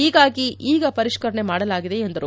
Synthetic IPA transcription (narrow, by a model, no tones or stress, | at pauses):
iːɡaːɡiʔiːɡɐpɐɾiʂkɐɾɐɳe̞maːɽɐlaːɡid̪e̞ːnd̪ɐɾu